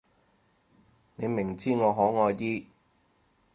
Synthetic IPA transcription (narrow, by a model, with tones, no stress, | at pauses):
ne˨˧jmɪ˨˩ŋt͡siː˥ŋɔː˨˧ɦɔː˨˥ŋɔː˧jt̪iː˥